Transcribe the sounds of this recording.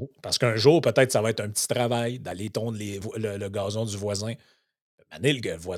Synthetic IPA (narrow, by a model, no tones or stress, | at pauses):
paʁsə̥kœ̃ʒuːʁpət̪ɛɪt̪savɑɛt̪œ̃pət͡si̥t̪ʁavajd̪alet̪ɔ̃ːd̪levwlələɡɑːzɔ̃d͡z̪yvwazɛ̃ | maneləɡəvwa